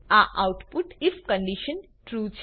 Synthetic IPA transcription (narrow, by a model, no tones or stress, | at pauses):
aʔawʈpuʈifkə̃ɳɖiʃən | ʈɾuːt͡ʃʰ